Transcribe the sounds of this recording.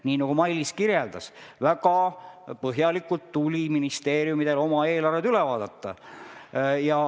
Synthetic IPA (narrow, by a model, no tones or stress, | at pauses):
niːnɑɡ̥umɑjlːiskiɾjeld̪̥ɑsvæɡ̥ɑpɤɦjɑlikːult̪ːulʲiminist̪e̞ːɾjumid̪̥e̞lo̞mɑe̞ːlɑrved̪ylɛvɑːd̪̥ɑt̪ˑːɑ̰ | jɑ